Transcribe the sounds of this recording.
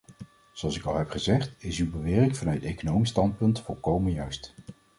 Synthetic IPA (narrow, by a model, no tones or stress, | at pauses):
z̥oɑlˠsɪkɑlˠɦɛpχəzɛχtɪsywbəʋɪːrɪŋvɑnœɥtejkonowmistɑnt̚pɵntfɔlˠkowmənjœɥst